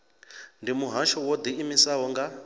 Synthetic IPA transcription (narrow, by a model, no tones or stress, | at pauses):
ndimuɦaʃɔwɔd̪iːmisaɦɔŋɡa